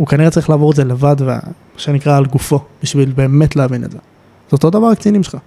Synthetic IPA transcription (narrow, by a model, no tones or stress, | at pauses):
ukaniʁet͡saʁiχlaːvoezelevad̪vea̰maʃenikʁaːlɡufo̞b̥iʃvilbe̞ːmetleavinedze | z̥eot̪o̞d̪avaʁakt͡sinimʃelχa